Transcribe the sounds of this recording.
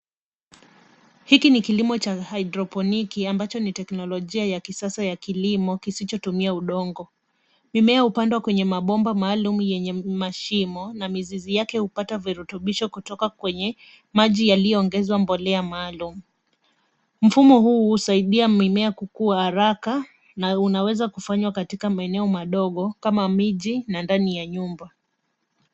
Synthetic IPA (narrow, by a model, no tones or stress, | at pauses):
hikinikilimɔt͡ʃahajdɾɔpɔnikiambat͡ʃɔnitɛknɔlɔʄiajakisasajakilimɔkisit͡ʃɔtumiauɗɔŋɡɔ | mimɛahupandwakwɛɲɛmaɓɔmbamaːlumujɛɲɛmaʃimɔnamizizijakɛhupataviɾɛtuɓiʃɔkutɔkakwɛɲɛ | maʄijalijɔːŋɡɛzwambɔlɛamaːlumu | m̩fumɔhuːhusaiɗiamimɛakukuahaɾaka | naunawɛzakufaɲwakatikamaɛnɛɔmaɗɔɠɔkamamiʄinandanijaɲumba